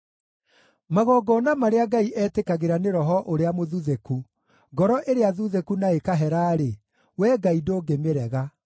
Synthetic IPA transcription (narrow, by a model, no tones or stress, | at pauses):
maɣɔɡɔːnamaɾeaɡaiʔɛːtekaɣeɾaneɾɔɦɔʔoɾeamoðuðeku | ɡɔɾɔʔeɾeaðuðekunaekaɦɛɾaːɾe | wɛːɡaidoːɡemeɾɛɣa